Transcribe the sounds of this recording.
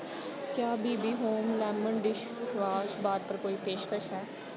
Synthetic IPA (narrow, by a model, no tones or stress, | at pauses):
kjaːbiːbiːɦoːmlɛ̃ːməɳɖɪʃ | ʋaːʃbaːd̪̚pəɾkoːiːpeːʃkəʃɦɛː